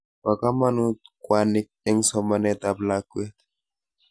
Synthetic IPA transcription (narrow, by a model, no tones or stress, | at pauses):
wakamanut̪kwanik̚ɛŋsɔmanɛt̪ablakwɛt̪